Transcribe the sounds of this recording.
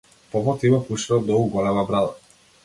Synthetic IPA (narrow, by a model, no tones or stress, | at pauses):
pɔvɔt̪ibapuʃiɾɔd̪ɔuɡɔlɛmabɾad̪ˠa